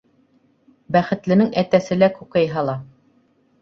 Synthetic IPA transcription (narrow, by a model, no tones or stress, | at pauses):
bæχɘ̆t̪lɘ̆nɘŋæt̪æsɘ̆lækʉkæjɦɑlˠɑ